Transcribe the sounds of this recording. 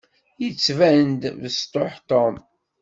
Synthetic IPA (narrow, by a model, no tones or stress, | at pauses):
jət͡sːvænd̪vəst̪oħt̪om